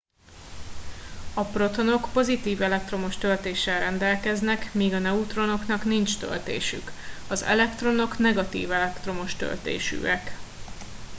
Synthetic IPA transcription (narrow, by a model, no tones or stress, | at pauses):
ɒpro̞t̪o̞no̞kpo̞zit̪iːvɛlɛk̚t̪ro̞mo̞ʃt̪ø̞lt̪eːʃːɛlrɛnd̪ɛlkɛznɛkmiːɡɒnɛut̪ro̞no̞knɒknint͡ʃt̪ø̰lt̪ḛːʃy̰kɒzɛ̰lɛkt̪ro̞no̞knɛɡɒt̪ḭːvɛlɛkt̪ro̞mo̞ʃt̪ø̰lt̪ḛːʃy̰ɛk